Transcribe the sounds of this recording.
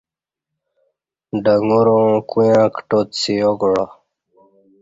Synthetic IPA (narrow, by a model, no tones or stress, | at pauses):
ɖaŋɡuɾõkujãːkʈot̪sijoɡɽa